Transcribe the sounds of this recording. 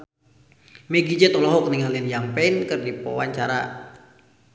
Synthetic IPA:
mɛɡid͡ʒət̪ɔlɔɦɔkniŋaliənjampɛinkɨrdipɔwaɲt͡ʃaɾa

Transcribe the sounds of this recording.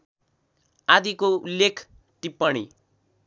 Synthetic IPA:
ad̪ikoulːekʰ | ʈipːʌɽ̃i

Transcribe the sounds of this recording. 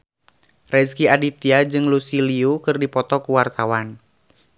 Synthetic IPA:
rɛskiadit̪iad͡ʒɨŋlusiliukɨrdipɔt̪ɔkuwart̪awan

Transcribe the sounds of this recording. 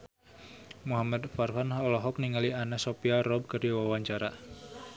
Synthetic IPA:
muɦamad̪farfanɔlɔɦɔk̚niŋalianasopiarɔb̚kərawawaɲt͡ʃaɾa

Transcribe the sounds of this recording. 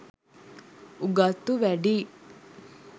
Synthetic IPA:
uɡat̪ːuʋɛɖi

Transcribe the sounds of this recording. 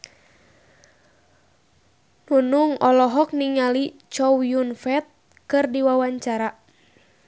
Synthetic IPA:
nunuŋɔlɔɦɔk̚niŋalit͡ʃɔwjunfɛt̪̚ | kɨrdiwawaɲt͡ʃaɾa

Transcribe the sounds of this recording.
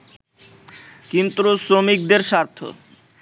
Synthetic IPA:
kint̪ɾosɾomik̚d̪eɾʃaɾt̪ʰo̰

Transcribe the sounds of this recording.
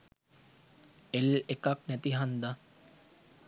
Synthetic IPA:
elekaknɛt̪iɦand̪a

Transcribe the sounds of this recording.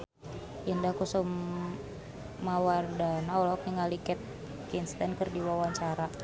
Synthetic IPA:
indahkusum | awardanaɔlɔk̚niŋalikɛt̪̚ | kinst̪ankərdiwawaɲt͡ʃaɾa

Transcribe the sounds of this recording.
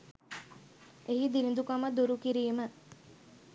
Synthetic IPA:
eɦid̪ilind̪ukaməd̪uɾukiɾiːmə

